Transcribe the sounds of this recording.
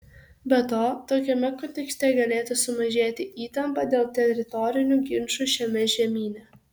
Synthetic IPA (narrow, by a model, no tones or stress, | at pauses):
bʲɛt̪oːt̪oːkʲɛmʲɛkɔnʲt̪ʲɛksʲt̪ʲɛɡɐlʲeːt̪ʊsʊmɐʒʲeːt̪ʲɪʔiːt̪ɐmpɑd̪ʲeːlˠt̪ʲɛɾʲɪt̪ɔɾʲɪnʲuɡʲɪnʃuʃʲɛmʲɛʒʲɛmʲiːnʲɛ